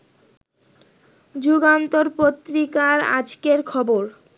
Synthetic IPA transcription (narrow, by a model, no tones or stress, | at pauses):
d͡ʑuɡant̪oɾpot̪ːɾikaɾa̰d͡ʑkeɾkʰɔboɾ